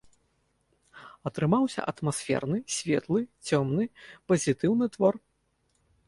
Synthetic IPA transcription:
ɐt̪ɾɨmawsʲɐ̰ʔɐt̪masfʲɛ̰rnɨsʲvʲɛt̪lˠɨt͡sʲɔmnɨpɐzʲit̪ɨwnɨt̪vɔr

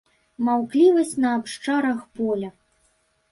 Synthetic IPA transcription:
mawklʲivɐsʲt͡sʲnɐːpʂt͡ʂaɾɐxpɔlʲɐ

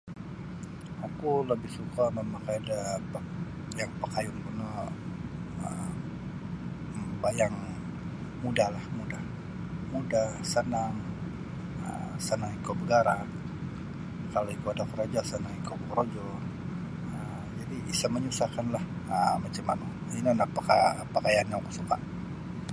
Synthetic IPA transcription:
akuləbɪhsukamemakajadap | jaŋpakajʊnpuna | ə | bajaŋ | mudahlahmudah | mudahsənaŋ | ə̰msənaŋikobəɡaɾa | kaloikuadakəɾod͡ʒasənaŋikokəɾod͡ʒɔ | əmd͡ʒadiisaməɲusakanlahəmat͡ʃama̰nu | iniandak̚pakapakajaanjaŋkusukaʔ

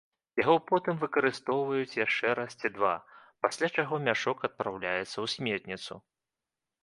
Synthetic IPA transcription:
jaɣɔpɔt̪ɨmvɨkɐɾɨst̪ɔwvɐjut͡sʲjaʂt͡ʂɛɾast͡sʲid̪va̰pasʲlʲat͡ʂaɣɔmʲaʂɔkɐt̪̚pɾawlʲajɛt̪sːɐwsʲmʲɛrt̪nʲit̪su

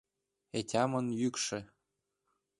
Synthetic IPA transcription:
etʲɑmɤ̆njykʃɘ̆

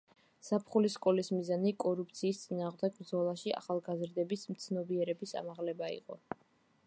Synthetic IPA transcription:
sapʰχuliskʼɔlismizanikʼɔɾup̚ʰt̪sʰiːst̪sʼinaːʁmd̪ɛɡ̚bɾd̪zɔlˠaʃia̰χalˠɡazɾd̪ɛbismt̪sʰnɔbiɛɾɛbisa̰maʁlɛbaḭqʼɔ

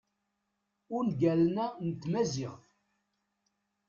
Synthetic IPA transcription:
ʊɾnɡælnænt̪mæzɪʁ

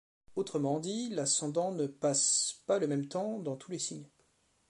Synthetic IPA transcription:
ot̪χəmɑ̃d̪ilasɑ̃d̪ɑ̃nəpaspaləmɛmt̪ɑ̃d̪ɑ̃t̪ʰulesiɲ

